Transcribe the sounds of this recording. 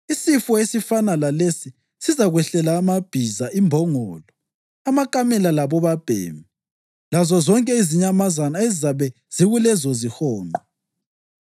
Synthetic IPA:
isifɔesifanalalesi | sizaɣwɛɬɛlaːmab̥ʱizaʔimbʱɔŋɔːlɔ | amakʼamɛlalaβɔβab̥ʱḛːmi | lazɔzɔŋkʼɛiziɲamazanaezizaβɛ | z̥iɣulɛzɔzihɔːnɔ

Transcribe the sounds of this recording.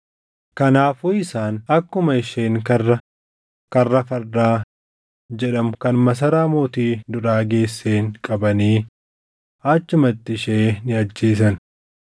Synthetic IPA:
kɐnaːfuːɪsaːnɐkːʊmɐɪʃeːŋkɐrːɐ | kɐrːɐfɐɾdaː | d͡ʒɛᶑɐmkɐnmɐs̬ɐɾaːmoːt̪iːd̪ʊɾaːɡe̞ːsːeːŋkʼɐbɐniː | ɐt͡ʃːʊmɐt̪ːɪʃeːnɪɐd͡ʒːiːs̬ɐn

